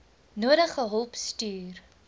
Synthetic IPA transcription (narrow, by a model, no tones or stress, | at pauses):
nuəɾəχəɦɔlˠpstyːr